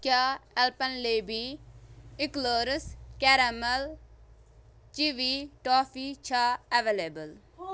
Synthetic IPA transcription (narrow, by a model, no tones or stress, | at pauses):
kaːɛlpɐnleːbʱi | ɪkloːɾəskɛɾɐmɐl | t͡ʃiʋiʈoːfit͡ʃʰaɐʋelebəl